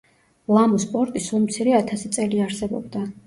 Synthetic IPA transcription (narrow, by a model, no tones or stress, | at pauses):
lˠamɔspʼɔɾt̪ʼisulˠmt̪sʰiɾɛat̪ʰasit̪sʼɛliaɾsɛbɔ̰bd̪a